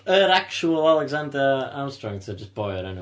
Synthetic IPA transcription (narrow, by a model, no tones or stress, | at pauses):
əɾak̚t͡ʃuəlˠalˠɛɡzãndəã̰ɪ̃mstɹ̥ɔ̃ŋtʰəd͡ʒʌsb̥ɔɪəɾɪ̃n